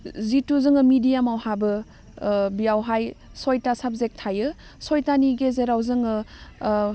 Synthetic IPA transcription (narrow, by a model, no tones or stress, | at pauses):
zituzɯŋɯmidijamawɦabɯ | bijawɦaj | sojtasab̚zek̚tʰajɯ | sojtaniɡezeɾawzɯŋɯ